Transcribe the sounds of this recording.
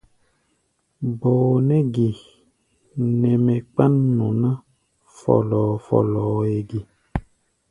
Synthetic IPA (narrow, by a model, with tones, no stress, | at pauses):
bo˨nɛ˦ɡi˨ | nɛ˨mẽ˨k͡pa˦nːũ˨nã˦ | fɔ̰˨lɔː˨fɔ̰˦˨lɔ˨e˨ɡi˨